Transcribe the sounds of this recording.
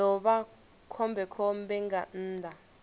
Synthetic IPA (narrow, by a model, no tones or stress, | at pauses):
ɔɓa | kʰɔmbʱɛkʰɔmbɛŋɡan̩ːdʱa